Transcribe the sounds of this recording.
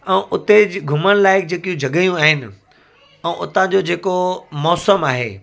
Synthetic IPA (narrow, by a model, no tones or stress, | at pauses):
ɛ̃ːʔʊt̪eɡʱʊməɽ̃ɪlaːɪk̚d͡ʑeːkijũd͡ʑʱɐɠəjũaːɦɪnɪ̆ | ɛ̃ːʔʊt̪ãd͡ʑoːd͡ʑeːkomɔːsəmaːɦḛː